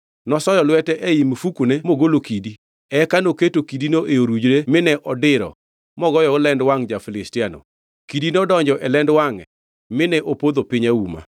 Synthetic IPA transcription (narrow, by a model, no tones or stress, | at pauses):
nɔsɔjɔlwɛtɛʔɛimfukunemoɡolokidi | ɛkanoketokidinoʔeoɾud͡ʒɾemɪnɛʔɔdɪɾɔ̰ | mɔɡɔjɔlɛndwaŋd͡ʒafɪlɪstɪano̰ | kidinodɔɲd͡ʒɔʔɛlɛndwaŋɛ | mɪnɛʔopod̪opɪɲauma̰